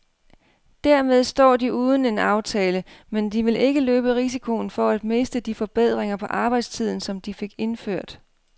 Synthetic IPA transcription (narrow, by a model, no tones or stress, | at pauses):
d̥æɐ̰með̞ˠsd̥ɒ̰ːd̥iʔuːð̞ˠn̩e̝nɑ̈ʊt͡sʰɛːləmend̥iʋe̝lʔe̝ɡ̥əløːb̥əʁis̬ikʰo̝nfɒ̽æd̥̚me̝sd̥əd̥ifɒ̽b̥eð̞̰ˠʁeŋɐpʰɒ̽ʔɑ̈ːb̥ɑ̈ɪ̰d̥st͡sʰið̰ˠn̩sɒ̽md̥ife̝ɡ̥e̝nføɐ̰d̥